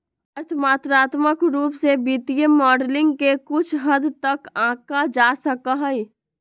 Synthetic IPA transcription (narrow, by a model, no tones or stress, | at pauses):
əɾt̪ʰmaːt̪ɾaːt̪məkɾuːpsebɪt̪ijəmɔːɖlɪ̃ŋɡkekʊt͡ʃʰɦəd̪t̪əkãːkad͡ʒaːsəkaɦəi